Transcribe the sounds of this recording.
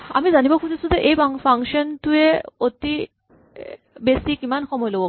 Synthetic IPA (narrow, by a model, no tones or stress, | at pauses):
a̰mizanibakʰud͡ʑesudeʔejbŋfaŋkʃɔnt̪ueot̪i | besikimanxʰɔmɔjlobo